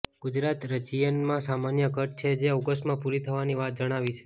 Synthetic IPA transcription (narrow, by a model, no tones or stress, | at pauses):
ɡ̥ʊd͡ʒɾat̪ɾət͡ʃijənmãsamanjəɡʱəʈt͡ʃʰed͡ʒeoɡəsʈmãpuɾit̪ʰəʋaniʋat̪̚d͡ʒəɽ̃aʋit͡ʃʰe̥